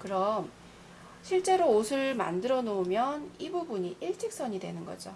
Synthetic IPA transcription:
kɯɾʌm | ɕʰiɭt͡ɕ͈e̞ɾoosʰɯɭma̰ndɯɾʌnomjʌnibubuɲiʔiɭt͡ɕ͈ʰik̚s͈ʌɲidwe̞nɯnɡʌ̰d͡ʑo

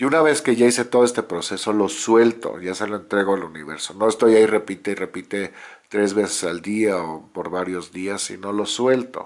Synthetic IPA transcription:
iunaβe̞ske̞ʝaise̞t̪o̞ð̞e̞st̪epɾo̞se̞so̞loswelt̪o̰ʝasaloe̞nt̪ɾe̞ɣo̞aluniβe̞ɾso̞no̞est̪o̞jaire̞pit̪eire̞pit̪e̞t̪ɾe̞zβe̞se̥sald̪iaopo̞ɾβaɾjo̞zðiasːḭno̞lo̞swe̞lt̪o̞̰

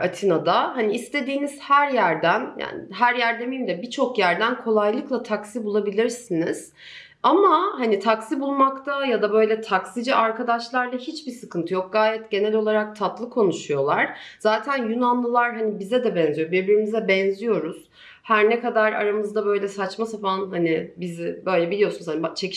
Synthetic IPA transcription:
at̪ʰinad̪ahaniːst̪ʰe̞d̪iːniz̥hæɾjæɾd̪ænja̰ːnɦæɾjæɾd̪e̞mimd̪ʲɛbit͡ʃʰo̞kjæɾd̪ænkʰo̞lˠajlˠɯklˠat̪ʰaksibulˠabilʲiɾsiniz̥ | amahanit̪ʰaksibulˠmakt̪ʰajad̪abø̞jlʲɛt̪ʰaksid͡ʒiʔaɾkʰad̪aʃlˠaɾd̪ˠahit͡ʃbisɯkʰɯnt̪ʰɯjo̞k̚ɡaːjɛt̪ɟe̞nɛlʲo̞lˠaɾak̚t̪ʰat̪lˠɯkʰo̞nuʃujo̞lˠaɾ̥z̥aːt̪ʰænjynanlˠɯlˠaɾɦanibizɛd̪ɛbɛnzijobiɾbiɾimizd̪ɛbɛnzijo̞ɾuz̥ | hæɾnɛkad̪aɾa̰ɾamɯzd̪abø̞jlʲɛsat͡ʃmasafanhanibizɪbø̞jlʲɛbilijo̞sunzhanbt͡ʃʰe

